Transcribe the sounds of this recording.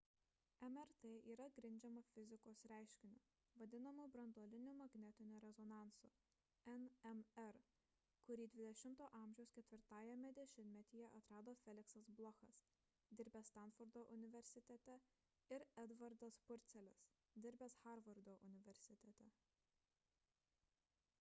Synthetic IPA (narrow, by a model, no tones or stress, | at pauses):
ɛmɛɾt̪eːiːɾɐɡɾʲɪnʲd͡ʒʲɛmofʲɪzʲɪkoːsɾʲæˑɪʃʲkʲɪnʲʊ | ʋɐd̪ʲɪnɐmʊbɾɐnd̪oːlʲɪnʲuːmɐɡnʲɛt̪ʲɪnʲʊɾʲɛzɔnɑˑnsʊ | ɛnɛmɛɾ | kʊɾʲiːd̪ʲʋʲɪd̪ʲɛʃʲɪmt̪oːʔɑˑmʲʒʲɛʊskʲɛt̪ʲʋʲɪɾt̪ɑːjɛmʲɛd̪ʲɛʃʲɪnt̪ʲmʲɛt̪ʲiːjɛʔɐt̪ɾɑːd̪oːfʲɛlʲɪksɐsblˠɔxɐs | d̪ʲɪɾʲbʲɛst̪ɑˑnfʊɾd̪oːʔʊnʲɪʋʲɛɾʲsʲɪt̪ʲɛt̪ʲɛ | ɪɾɛd̪ʋɐɾd̪ɐspʊɾʲt̪sʲɛlʲɪs | d̪ʲɪɾʲbʲɛsxɑɾʋɐɾd̪oːʔʊnʲɪʋʲɛɾʲsʲɪt̪ʲɛt̪ʲɛ